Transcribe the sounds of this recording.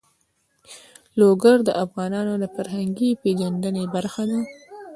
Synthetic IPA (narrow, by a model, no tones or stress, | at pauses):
loɡaɾd̪əʔafɣɑnɑnod̪əfaɾɦaŋɡiped͡ʒanɖ̪ənebaɾxad̪a